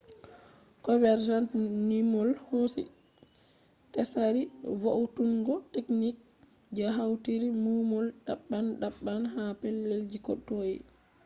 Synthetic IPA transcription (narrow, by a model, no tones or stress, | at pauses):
kɔvɛɾd͡ʒantnimɔlhosḭ | tɛsaɾivowtuŋɡɔteknik̚ | d͡ʒaɦawtiɾimumɔlɗa̰ɓːanɗaɓːanhapɛlːeld͡ʒikɔtːoːj̰